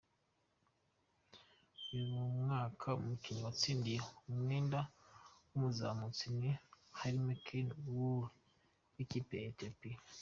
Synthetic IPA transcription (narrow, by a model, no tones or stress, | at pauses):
ujumumŋaːkʰaṵmukiɲuwat͡siːndijoumwiːndawumuza̰mut͡sinehaɾimekʰinuuɾ | wicipeetopi